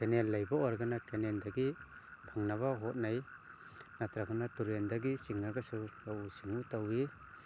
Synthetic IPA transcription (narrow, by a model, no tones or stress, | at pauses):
kenelːajbawaɾɡanakenendaɡi | pʰaŋnaβaɦɔt̚naj | natɾaɡanatuɾendaɡisiŋnaɡasulawusiŋutawi